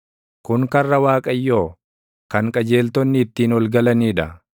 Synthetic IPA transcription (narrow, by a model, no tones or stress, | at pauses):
kʊŋkɐrːɐwaːkʼɐjːoː | kɐŋkʼɐd͡ʒe̞ːlt̪ɔnːɪːt̪ːiːnɔlɡɐlɐniːᶑɐ